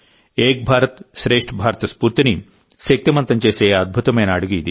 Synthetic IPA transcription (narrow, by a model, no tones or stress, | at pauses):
eːk̚bʱaːɾɐt̪ʃɾeːʂʈʰɐbʱaːɾt̪ɐspuːɾt̪inim | sek̚t̪imɐnt̪ɐɲt͡ʃeːseːɐd̪̚bʱut̪ɐmɐjnaːɽuɡijid̪i